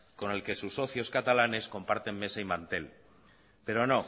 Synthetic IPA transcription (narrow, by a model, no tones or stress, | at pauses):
ko̞ne̞lke̞susːo̞θjo̞skat̪alane̞sko̞mpaɾt̪e̞mːe̞saimãnt̪e̞l | pe̞ɾo̞no̞